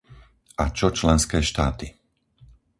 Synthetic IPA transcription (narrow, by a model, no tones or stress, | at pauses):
at͡ʃɔt͡ʃlɛnskɛːʃt̪aːt̪i